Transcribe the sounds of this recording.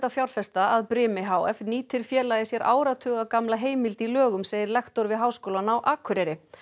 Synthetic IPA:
t̪afjawɾ̥fɛst̪aaðpɾɪːmɪɦaːwɛ̰fniːt̪ʰɪɾ̥fjɛːlajðɪsjɛɾʔa̰ːwɾat̪ʰʏːɣakamlaɦeːjmɪlt̪ilœːɣʏmsejɪɾlɛxt̪ɔɾvɪðɦaːwskowlanawʔaːkʰʏɾɛɾɪ

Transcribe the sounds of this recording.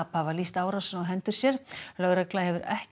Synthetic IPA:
aphavalist̪aːwɾasʏnawɦɛnt̪ʏɾ̥sjɛɾ̥lœɣɾɛklahɛvʏɾɛ̰h

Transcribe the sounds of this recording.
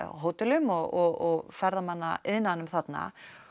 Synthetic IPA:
ɦoːwt̪ɪlʏmɔɣɔɣɔɣfɛɾðamanːaɪðnanʏmθat̪na̰

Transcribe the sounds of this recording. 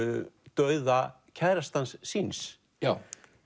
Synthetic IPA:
ʏʏt̪œːɥða | cʰɛðɾast̪ansːins

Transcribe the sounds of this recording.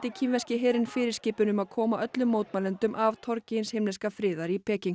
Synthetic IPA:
t̪ɪcʰinvɛscɪɦɛːɾɪnfɪːɾɪɾ̥scɪːpʏnʏmaðkʰɔːmaʔœt̪lʏmːoːwt̪maːlɛnt̪ʏmʔavt̪ʰɔɾcɪnshemlɛskafɾɪːðaɾipʰɛːcɪŋ

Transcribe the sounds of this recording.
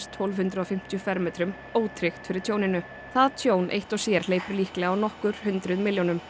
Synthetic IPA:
st̪ʰowlvhʏnt̪ɾʏɔfɪm̥t̪jʏfɛɾmɛːt̪ɾʏm | oːwt̪ʰɾɪxt̪fɪɾɪɾ̥t̪ʰjoːwnɪnʏ | θaðt̪ʰjoːwnʔḛjht̪ɔɣsjɛɾ̥l̥eːjpʏɾliːhklɛɣaawnɔhkʏɾ̥hʏnt̪ɾʏðmɪljownʏm

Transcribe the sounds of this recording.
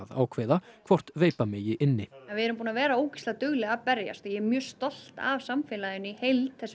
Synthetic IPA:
ða̰ːwkʰvɛːðakʰv̥ɔr̥t̪veːjpamɪjɪʔɪnːɪɛnvɪɛɾʏmpuːnavɛːɾaoːwcɪ̥st̪at̪ʏɣlɛːɣapɛɾja̰st̪ɔjɛɛɾmjœːst̪ɔl̥t̪a̰vsamfɪːlaðʏnʏihejlt̪θɛs

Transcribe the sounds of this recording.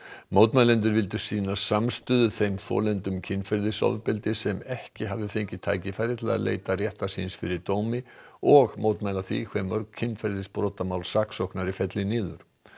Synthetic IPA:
mowt̪majlɛnt̪̬ʏɾvɪlt̪ʏsiːnasamst̪ʏːðʏθejmθɔ̰ːlɛnt̪ʏmcʰɪnːfɛɾðɪsɔ̰ðpɪlt̪ɪsɛmɛhcɪɦavɪfejɲcɪt̪ʰaːjcɪfaːjɾɪt̪laa̰lḛːjt̪arjɛht̪asinsfɪɾɪɾt̪oːwmɪɔɣmoːwt̪majlaθvḭkʰvɛmːœɾkcʰɪnːfɛɾðɪspɾɔːt̪amawlsaksɔhknaɾifɛt̪lɪnɪːðʏɾ̥

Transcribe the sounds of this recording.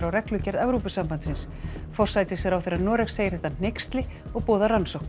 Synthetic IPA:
ɾawɾɛklʏcɛɾðɛvɾupʏsampant̪sɪns | fɔr̥sajt̪ɪsɛɾawθeɾanɔːɾɛxseːjɪɾ̥θɛht̪ːan̥ejkst̪lɪ | ɔɣpɔːðaransɔwhk

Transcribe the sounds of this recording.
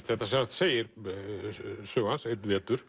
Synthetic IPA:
θɛht̪ːasɛnat̪seːjɪɾ | sœːɣhanset̪vɛːt̪ʏɾ̥

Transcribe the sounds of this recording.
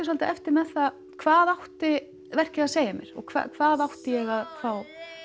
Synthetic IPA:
salt̪aʔɛft̪ɪɾmɛðθað | kʰvaːðawht̪ɪ | vɛr̥cɪaðseːjamjɛ̰ɾ̥ɔ̰ɣkʰva̰kʰvaːðawht̪ɪjɛɣaðfaːw

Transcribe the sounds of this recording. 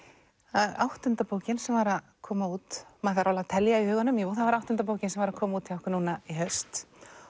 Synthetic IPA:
aawht̪ʏnt̪apoːwcɪnsɛmvaɾað | kʰɔːmauːt̪maθaɾawlat̪ʰɛljaihʏːɣanːʏmjɛvuːθavaɾawht̪ʏnt̪apoːwcɪnsɛmvaɾakʰɔːmauːt̪ʰɪɔhkʏnuːnaiɦœst̪

